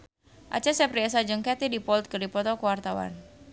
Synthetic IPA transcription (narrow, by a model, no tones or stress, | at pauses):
ʔa̰t͡ʃasɛprias̬ad͡ʒəŋkɛt̪idipɔlt̪̚kərdipɔt̪ɔkəwart̪awa̰n